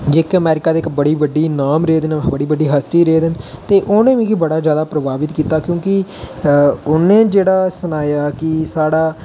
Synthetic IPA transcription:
d͡ʒekəmɛːɾɪkaːd̪eːɪkbəɽiːbəɖːiːnaːmɾeːd̪ənbəɽiːbəɖiːɦəst̪iːɾeːd̪ənt̪eːʔʊːnẽːʋĩːkibəɽaːzjaːd̪aːpɾəbaːbɪt̪kiːt̪aːkjõːkɪ | ʊnːẽːd͡ʒeːɽaːsʊnaːjaːkɪsaːɽaː

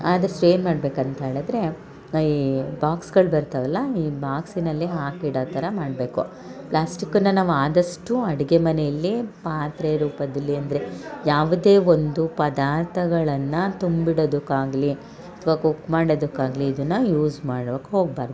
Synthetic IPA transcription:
aːd̪ɾsʈɾeːnmaːɖbe̞ːkɐnt̪ɐɦe̞ːɭɐd̪ɾe̞ | iːbaːksɡɐɭbɐɾt̪ɐʋɐlːɐiːbaːksinɐlːiɦaːkiɽaːt̪ɐɾɐmaːɖbe̞ːku | pɭaːsʈikːɐnːɐnaːʋuaːd̪ɐʂʈuɐɽiɡemɐnejɐlːipaːt̪ɾeɾuːpɐd̪ɐlːiɐnd̪ɾejaːʋud̪e̞ːond̪upɐd̪aːɾt̪ʰɐɡɐɭɐnːɐt̪umbiɽod̪ukːaːɡli | ɐt̪ʰʋaːkukːmaːɽod̪ukːaːɡliːd̪ɐnːɐjuːzmaːɽʋɐkɦo̞ːɡ̚baːɾd̪uu

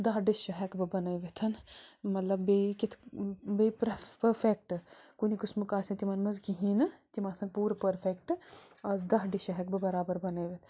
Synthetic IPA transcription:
d̪ɐɦɖiʃɐɦɛkbɨbɐnəʋet̪ʰɐnmɐt̪lɐbbeːkɪt̪ʰbeːpɾpɐɾfʰek̚ʈkunikʊsmukaːsɐ̃t̪imɐnmɐzkiɦiːnt̪imaːsɐ̃ŋɡ̚puːɾpɐɾfʰek̚ʈɐzd̪ɐɦɖiʃɐɦɛk̚bɨbɐɾaːbɐɾbɐneːʋet̪ʰ

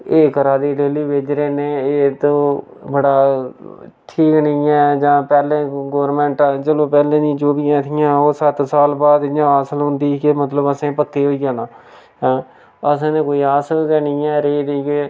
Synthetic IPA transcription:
eːkəɾaːd̪iːɖeːliːʋed͡ʒɾeːneːeːt̪õː | bəɽaː | ʈʰiːknɪ̃ːɛːd͡ʒãːpɛːlẽːɡoːɾmɛ̃ːɳʈːd͡ʒəlõːpɛːlẽːd̪ĩd͡ʒoːbɪjãːt̪ʰɪːjãːoːsət̪saːlbaːd̪ɪjãːaːsəlɦʊnd̪iːkemət̪̬ləbəsẽːpək̪ːeːɦoːijãːnãː | ɦɛ̃ː | əsẽːnẽːkoːiːaːsəlkɛːnɪ̃ːɛːɾeːɾiːkeː

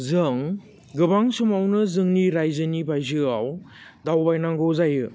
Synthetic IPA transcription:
zɯŋ | ɡɯbaŋsumawnɯzɯŋniɾajzɯnibʱajzɯaw | dawbajnaŋɡɯwzajɯ

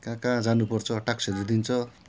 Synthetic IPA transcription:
kãkãd͡zanupʌrt͡sʰʌʈakseɾud̪int͡sʰʌ

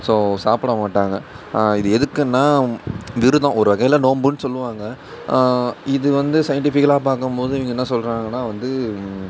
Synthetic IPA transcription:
soːsaːpɯɽɐmaːʈːaːŋɡɐ | ɪðɯɛðɯkːɯnːaːʋɪɾɯðõːɔɾɯʋɐɣɐjlɐnoːmbɯnːɯsɔlːɯʋaːŋɡɐ | ɪðɯʋɐnd̪ɯsɐjɐɳʈɪfɪkːɐlaːpaːɾkɯmpoːðɯɪʋiːŋɡɐɛnːɐsɔlɾaːŋɡɐnːaːʋɐnd̪ɯ

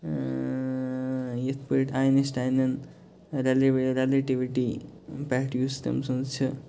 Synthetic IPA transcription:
jet̪ʰpəʈajnesʈajnɐn | ɾelɾeleʈiʋiʈipaʈjuːst̪ɐ̰msunt͡ʃʰɐ

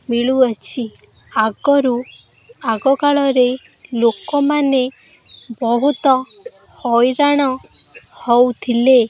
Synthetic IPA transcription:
miɭuat͡ʃʰi | aɡɔɾu | aɡɔkaɭɔɾe | lokɔmane | bɔɦut̪ɔhɔjɾaɽ̃ɔ | hɔwt̪ʰile

